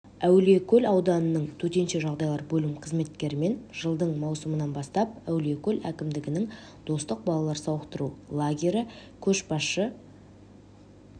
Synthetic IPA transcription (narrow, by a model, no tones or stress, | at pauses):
æwle̞kʲʰɵlɑwd̪ɑnənəɴt̪ʰɵt̪e̞nʃe̞ʒɑʁd̪ɑjlˠɑɾbɵlɪmqʰəzme̞t̪kʲe̞ɾɪme̞nʒ̥əlˠd̪əɴmɑwsəmənɑnbɑst̪ɑp̚æwle̞kʲʰɵlækʲɪmd̪ɪɡʲɪnɪŋ | d̪̥o̞st̪əq̚bɑlˠɑlˠɑɾsɑwəqt̪əɾulˠaɡʲe̞ɾɪkʲʰɵʃbɑsʃə